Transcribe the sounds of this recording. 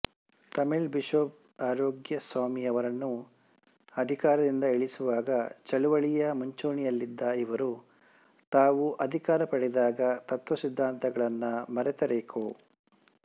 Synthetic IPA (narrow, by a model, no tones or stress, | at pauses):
t̪ɐmiɭbiʃoːp̚ | aːɾoːɡjɐsʋaːmijɐʋɐɾɐnːu | ɐd̪ʱikaːɾɐd̪ind̪ɐeɭisuʋaːɡɐt͡ʃɐɭuʋɐɭijɐmɐɲt͡ʃuːɳijɐlːid̪ːɐiʋɐɾu | t̪aːʋuʔɐd̪ʱikaːɾɐpɐɽɛd̪aːɡɐt̪ɐt̪ʋɐsid̪ʱːaːnt̪ʰɐɡɐɭɐnːɐmɐɾɛt̪ɐɾeːkʰoː